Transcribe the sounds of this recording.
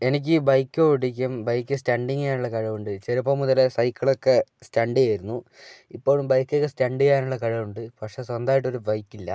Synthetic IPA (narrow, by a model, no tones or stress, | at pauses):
enik̬ʲːiːbɐjkːoɽik̬ʲːɐmbɐjkʲːɨstɐɳɖiŋɡjaːnuɭːɐkɐɻɐʋuɳɖɨt͡ɕeɾɐpːoːmuðɐlesɐjkːɐɭokːe̞stɐɳɖijaːjiɾunːu | ipːo̞ːɻumbɐjkːokːestɐɳɖijaːnuɭːɐkɐɻɐʋuɳɖɨpɐkʂe̞ːswɐnd̪aːjiʈːo̞ɾubɐjkːilːɐ̰